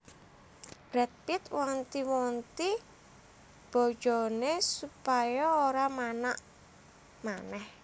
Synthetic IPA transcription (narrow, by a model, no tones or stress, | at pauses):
b̥ɾɛt̪̚pɪt̪wɔnt̪iwɔnt̪i | b̥ɔ̤̥d͡ʒ̥ɔnesupajɔoɾamanaʔ | manɛh